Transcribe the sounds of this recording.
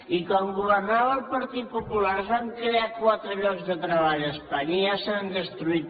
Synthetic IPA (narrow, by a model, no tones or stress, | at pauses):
ikɔmɡuβərnaβəlˠpəɾt̪it̪̚pupulaɾzβaŋkɾeakwat̪ɾəʎɔɡzðət̪ɾəβaʎəspaɲəiasand̪əst̪ɾuit̪